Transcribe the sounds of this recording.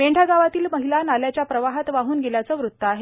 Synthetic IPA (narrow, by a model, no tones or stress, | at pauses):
meɳɖʱaɡaʋat̪iːlməɦilanaljat͡ɕjapɾəʋaɦat̪ʋaɦuːnɡeljat͡səːʋɾut̪ːəaɦe